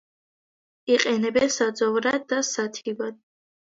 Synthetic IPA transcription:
iqʼɛnɛbɛnsad̪zɔvɾad̪ːasat̪ʰivad̪̥̚

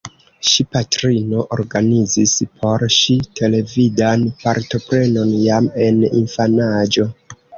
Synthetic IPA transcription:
ʃipatɾino̞ʔoɾɡanizispʰo̞ɾʃitʰe̞le̞vidanpaɾto̞pɾe̞no̞njame̞nḭnfanad͡ʒo̞

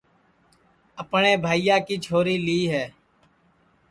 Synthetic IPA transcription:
əpɳeːbʱaːijaːkiːt͡ʃʰoːɾiːliːɦɛː

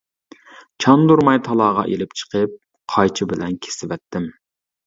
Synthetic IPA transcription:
t͡ʃʰɑnd̪uɾmɑjt̪ʰɑlˠɑːʁɑ̰ʔelɪp̚t͡ʃʰə̥qəp̚ | qʰɑjt͡ʃʰibɪlɛnkʲʰe̥sɪvɛt̪ʰːɪm

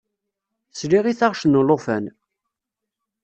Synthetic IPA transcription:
sliʁiθaʁʃnəlofæn

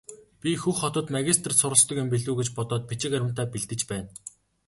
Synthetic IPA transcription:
pʲixuxːɔt̪ɞ̆t̪maɣʲist̪̆ʰrsʊɾə̆ɮst̪ɞ̆kempeɮuːɣet͡ɕpɔt̪ɔːt̪̚pit͡ɕɪ̆kæɾʲɪ̆m̥t̪aːpiɮt̪ɘ̆t͡ɕpæːn

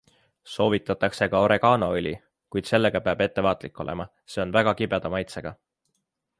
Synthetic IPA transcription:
so̞ːvit̪ːˑɑt̪ːˑɑkse̞kɑo̞ɾe̞ɡɑːnoylʲi | kujd̪se̞lːe̞ɡ̥ɑpeɑb̥e̞t̪ːe̞vɑːt̪ˑlikːˑo̞lḛmɑ | se̞o̞nvæɡ̥ɑkibed̪̥ɑmɑjt̪se̞ɡ̥ɑ

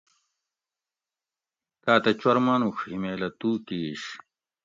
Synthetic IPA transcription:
t̪aːt̪ɐt͡ɕwɐɾmanuxhimeːlɐt̪uːkiːɕ

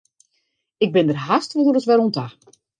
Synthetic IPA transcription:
ɪɡ̚bɪndərɦastʋɔdəɾəsʋɛɾonta

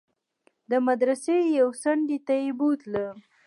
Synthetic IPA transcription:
d̪əmad̪ɾasejawsaɳɖit̪ajebut̪la

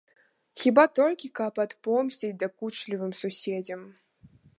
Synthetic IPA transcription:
xʲibat̪ɔlʲkʲikɐpɐt̪pɔmsʲt͡sʲid͡zʲd̪ɐkut͡ʂlʲivɨmsusʲed͡zʲɐm

